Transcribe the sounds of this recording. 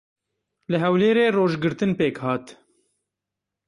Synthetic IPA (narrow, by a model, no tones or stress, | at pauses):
lɨɦɛwleːɾeːroːʒɡɨɾt̪ɨnpeːkhɑːt̪